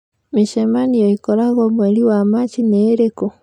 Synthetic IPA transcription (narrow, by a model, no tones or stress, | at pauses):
miʃemanijɔikɔɾaɣɔmweliwamat͡ʃineːɾeko